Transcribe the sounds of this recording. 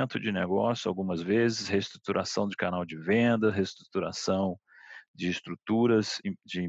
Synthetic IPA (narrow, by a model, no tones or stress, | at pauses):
nt̪ʊd͡ʒɪneɡɔsjʊawɡũmɐzvezɪshest̪ɾut̪uɾʔasɐ̃w̃d͡ʒɪkanawd͡ʒɪvẽnd̪ɐɦest̪ɾut̪uɾa̰sɐ̃w̃ | d͡ʒɪːst̪ɾut̪uɾɐzd͡ʒɪĩ